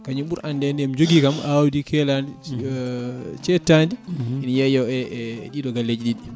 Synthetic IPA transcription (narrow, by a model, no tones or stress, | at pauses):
kaɲiɓuɾʔandɛniamd͡ʒoɡikamawdikʰɛlan | t͡ʃɛtːandiinjajɔɛɗiɗɔɡalːed͡ʒɗiɗi